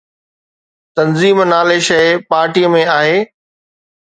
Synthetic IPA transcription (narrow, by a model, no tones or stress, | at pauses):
t̪ɐnziːmnaːleʃɐɪpaːɾʈiːəmẽaːɦeː